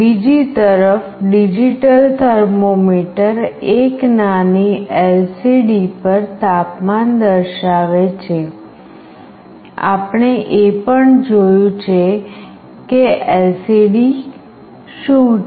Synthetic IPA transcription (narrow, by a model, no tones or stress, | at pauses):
bid͡ʒit̪əɾəfɖid͡ʒiʈəlt̪ʰəɾmomiʈəɾeknaniɛlsiɖipəɾt̪apmand̪əɾʃaʋet͡ʃʰe | a̰pɳeʔepəɳd͡ʒojũt͡ʃʰe | keɛlsiɖi | ʃũ